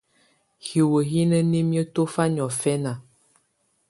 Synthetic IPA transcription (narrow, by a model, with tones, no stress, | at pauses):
hi˨wə˨ɦi˦nə˦ne˦mjə˦to˦fa˦ɲ˨ɔ˨fɛ˦na˨